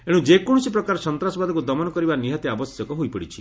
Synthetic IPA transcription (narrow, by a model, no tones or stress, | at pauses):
eɽ̃ũd͡ʒekɔɽ̃ũsipɾɔkaɾɔsɔnt̪ɾasɔbad̪ɔkud̪ɔmɔnɔkɔɾibaniɦɔt̪iabɔsjɔkɔɦojpɔɽit͡ʃʰi̥